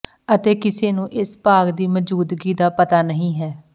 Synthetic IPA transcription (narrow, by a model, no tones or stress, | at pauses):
ət̪eːkɪseːnũːʔɪspaːɡd̪iːməd͡ʒuːd̪ɡiːd̪aːpət̪aːnəɦĩːɦɛː